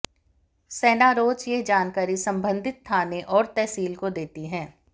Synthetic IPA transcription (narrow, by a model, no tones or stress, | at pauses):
sɛːnaɾoːt͡ʃjeɦd͡ʒaːnkaːɾisɐ̃mbə̃nd̪ʱɪt̪ʰːaːneʔɔːɾt̪ɛɦsiːlkod̪eːt̪iɦɛ̃ː